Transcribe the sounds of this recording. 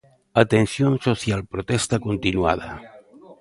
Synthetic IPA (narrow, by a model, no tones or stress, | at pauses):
at̪ensjonsoθjalpɾot̪est̪akont̪inwa̰ð̞a